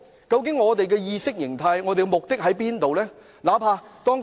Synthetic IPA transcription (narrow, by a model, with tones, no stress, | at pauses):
kɐ˧wk̬ɪ˨˥ŋŋɔː˨˧t̪e˨jk̬ɛː˧jiː˧sɪ˥k̚jɪ̰˨˩ŋt̪ʰaː˧jŋɔː˨˧t̪e˨jɡɛ˧mʊ˨k̚t̪ɪ˥k̚ɦɐ˨˥jpiː˥nt̪o˨wlɛː˥ | laː˨˥pʰaː˧t̪ɔː˥ŋ